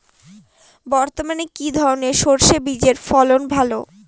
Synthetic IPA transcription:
bɔɾt̪omanekid̪ʱɔɾoneʃoɾʃebid͡ʑeɾfɔlonbʱalo

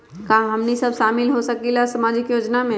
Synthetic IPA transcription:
kaɦɐmnisɐbʃaːmɪlɦosɐkilasɐmaːd͡ʒɪkjoːd͡ʒnamẽ

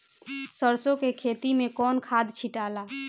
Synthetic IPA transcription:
səɾsõkekʰet̪imekɔːnkʰad̪ʱt͡ʃʰiʈala

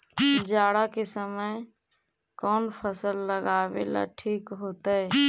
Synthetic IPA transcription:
d͡ʒaːɽakesəməj | kɔːnpʰəsəlːəɡaːbḛla̰ʈʰiːkɦoːt̪aɛ

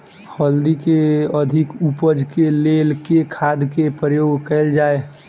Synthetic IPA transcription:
həld̪ikeəd̪ʱɪkupəd͡ʒkeleːlkekʰad̪kepɾəjoːɡkɛɪld͡ʒaːe

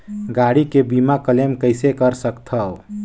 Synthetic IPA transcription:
ɡaɽikebimakəlemkəɪsekəɾsəkt̪ʰəw

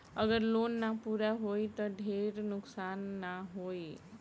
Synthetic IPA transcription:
əɡəɾlonːapuɾaɦojt̪ʌɖʱeɾnʊksanːaɦoj

